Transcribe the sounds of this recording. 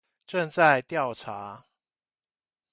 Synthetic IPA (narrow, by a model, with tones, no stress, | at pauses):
ʈ͡ʂə˥˧nt͡sa˥˨ɪt̪jɑ˥˨ʊʈ͡ʂʰa˨˦